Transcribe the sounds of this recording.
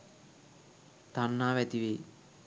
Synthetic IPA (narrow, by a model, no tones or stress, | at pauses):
t̪anːaːʋɛt̪iʋeː